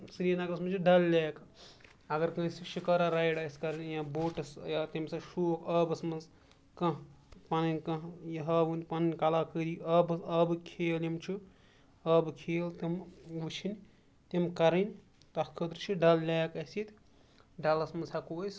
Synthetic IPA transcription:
sɾinaɡɾɐsmɐt͡ʃʰiɖɐllʲaːk | ɐɡɐɾkɐ̃siʃikɐɾaɾajɽɐsʲkɐɾinʲjãboːʈɐsjat̪imsɐʃukɐbɐsmɐz | kɐ̃ | pɐninʲkɐ̃jiɦɐʋɨnpɐnnʲkalaːkəd̪iɐbsɐbɨkʰeːljimt͡ʃʰi | ɐbɨkʰeːlt̪imʋɨt͡ʃʰinʲ | t̪imkɐɾinʲ | t̪ɐkʰəd̪ɾt͡ʃʰiɖɐllʲaːjkɐsit̪ | ɖɐlɐsmɐnzʰakujs

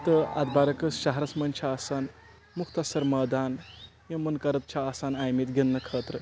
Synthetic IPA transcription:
t̪əɐ̰d̪baːɾɐkɐsʃɐɦɐɾɐsmɐnt͡ʃʰaːsan | mukʰt̪ɐsɐɾmɐːd̪aːnjɐmɐnkɐɾɐt̪̚t͡ʃʰaːsanaːjmit̪ɡɐnːɐkʰəːt̪ɾə

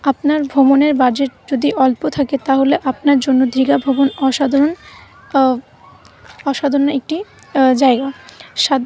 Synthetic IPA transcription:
apnaɾbʱomoneɾbaɾd͡ʑeʈ̚d͡ʑod̪iʔɔlpot̪ʰaket̪aɦoleʔapnaɾd͡ʑonːod̪ɾiɡabʱobonɔʃad̪ʱaɾon | ɔʃad̪ʱoɾonaek̚ʈi | d͡ʑaeɡaʃad̪

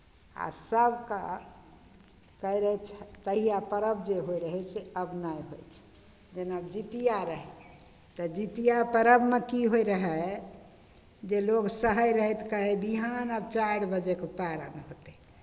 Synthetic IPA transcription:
a̰səbka | kəiɾəɦɛt͡ʃʰt̪əɦijapəɾəbd͡ʒeɦoiɾəɦɛseəbnajɦojt͡ʃʰ | d͡ʒenəbd͡ʒit̪ijaɾəɦɛ | t̪ɔd͡ʒit̪ijapəɾəbmekiɦoiɾəɦɛ | d͡ʒeloɡsəɦəjɾəɦɛt̪ʰkəɦebiɦanəbt͡ʃaɽbəd͡ʒekepaɾə̰nɦot̪e

